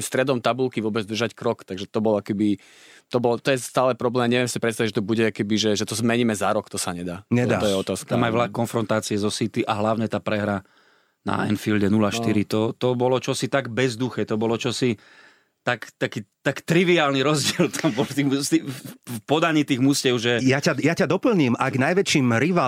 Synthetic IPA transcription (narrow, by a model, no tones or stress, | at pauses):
st̪ɾɛd̪ɔmt̪abulkiʋʊɔbɛd͡zd̪r̩ʒackɾɔkt̪aɡʒɛt̪ɔbɔlakɛbi | t̪ɔbɔlt̪ɔjɛst̪aːlɛpɾɔblɛːmɲɛʋɛmsipɾɛtst̪aiɟʒɛt̪ɔbuɟɛakɛbiʒɛʒɛt̪ɔzmɛɲiːmɛzaɾɔkt̪ɔsaɲɛd̪aːɲɛat̪ɔjɛɔt̪aːskt̪amajʋɛʎakɔnfɾɔnt̪aːt͡siɛzɔsit̪iʔaɦlaʊɲɛt̪aːpɾɛɦɾa | na̰ɛ̰nfilɟɛnulaʃt̪iɾit̪ɔt̪ɔbɔlɔt͡ʃɔsit̪aɡbɛzd̪uxɛːt̪ɔbɔlɔt͡ʃɔsi | t̪akt̪akiːt̪akt̪ɾiʋiaːlniɾɔzɟɪɛlt̪ʰambɔlft̪imt̪ifpɔd̪aɲiːt̪iːɣmuscɛʊʒɛjacajacad̪ɔpl̩ɲiːmaɡnajʋɛt͡ʃiːmɾiʋa